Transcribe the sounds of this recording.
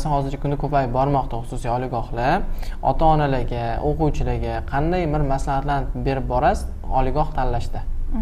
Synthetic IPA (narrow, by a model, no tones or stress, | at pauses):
sanhɒzɪɾt͡ʃʰʲakʰʊnd̪akʰɵpʰajbɒɾmɒqt̪ʰaχʊsʊsaɒlɪɡɒhlɪɒ̰t̪ʰaɒnalaɡʲaoqʊwt͡ʃʰɪlaɡʲaqʰɑnd̪ajmɪɾmaslahat̪lanbe̞ɾɪp̚bɒɾas | ɒ̰lˠɪɡɒht̪ʰanlaʃt̪ɪ